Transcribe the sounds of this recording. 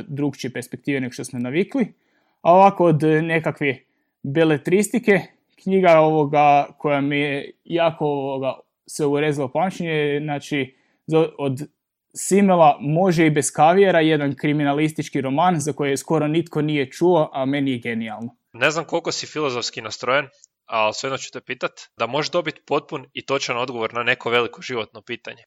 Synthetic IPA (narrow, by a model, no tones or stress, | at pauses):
d̪ɾukt͡ʃiepeɾspek̚t̪iːʋeneɡoʃt̪o̞smo̞naʋikli | aoʋako̞od̪ne̞kakʋe | belet̪ɾist̪ike̞ | kɲiɡao̞ʋoɡakʰo̞jamiejaːkooʋoɡa | sʋeuɾezilapamt͡ʃeɲeznat͡ʃi | zood̪ | simelˠamo̞ʒeibe̞skaʋieɾaje̞d̪ankɾiminalist̪it͡ʃkiɾo̞manzako̞jesko̞ɾonit̪ko̞nije̞t͡ʃuoʔame̞nijeɡe̞nialˠno | ne̞znamko̞lˠko̞sifilˠozofskinast̪ɾojen | alsʋed̪not͡ɕu̥t̪epiːt̪at̪d̪amo̞ʒed̪o̞bit̪po̞t̪̚punit̪o̞t͡ʃano̞d̪ɡoʋo̞ɾnane̞koʋe̞likoʒiʋo̞t̪nopiːt̪aɲe